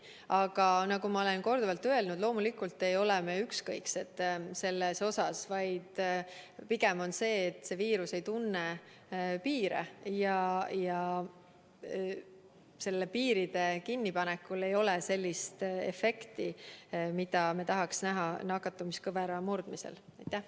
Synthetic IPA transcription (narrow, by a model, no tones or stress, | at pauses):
ɑɡ̥ɑnɑɡumɑo̞le̞nko̞rd̪uvɑlt̪ːˑøelnud̪̥lo̞ːmulikˑult̪ːe̞jo̞lɛme̞ykskɤjkse̞t̪ːˑse̞lːeso̞sɑsvɑjd̪̥ | piɡ̥e̞mo̞nse̞ːt̪ːˑse̞viːɾuse̞jt̪unːe | piːɾḛjɑjɑ | se̞lːe̞piːɾid̪̥e̞kinːipɑnekːˑule̞jo̞lese̞lʲːist̪ḛfe̞kt̪imid̪̥ɑmet̪ɑɦɑksnæɦɑnɑkːˑɑt̪ːˑɑmiskɤveɾɑmurd̪̥misḛlɑjt̪ːˑæh